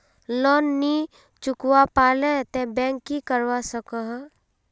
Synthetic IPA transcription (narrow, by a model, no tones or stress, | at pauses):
lɔnːi | t͡ʃʊkwapaːlet̪ẽbɛ̃ŋkːikəɾwasəkəɦ